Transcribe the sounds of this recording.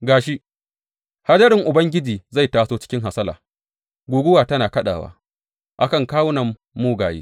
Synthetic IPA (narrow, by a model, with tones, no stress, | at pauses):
ɡaː˨ʃi˦ | ha˦dɐ˦ɾɪ˨ŋʔʊ˨bɐ˦ŋɡʲɪ˦d͡ʒiː˨za˦˨jtaː˨soː˦t͡ʃɪ̥˦kʲɪ˦ŋɦa˨sɐ˦laː˨ | ɡʷuː˨ɡʷʊ˦waː˨tɐ˦naː˨kɐ˦ɗa̰ː˨wa̰ː˦ | ʔa˦kɐ˨ŋkaː˦wʊ˦nɐ˨mː | uː˦ɡaː˨jḛ˦